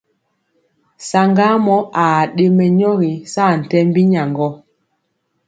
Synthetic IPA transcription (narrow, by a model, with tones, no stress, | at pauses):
sa˨ŋɡa˦mɔ˦a˨ɗe˦mɛ˨ɲɔ˦ɣi˨sa˦˨n̩˨tɛ˦mbi˦ɲa˨ŋɡɔ˦